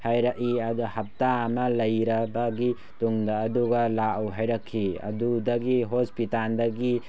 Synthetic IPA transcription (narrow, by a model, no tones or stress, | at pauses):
hajɾaʔiɐduhɐp̚taːmɐlɐjɾɐbɐɡi | tuŋdɐːduɡɐlaʔawɦajɾɐkʰːiɐ̰dudɐɡiɦospitaldɐɡi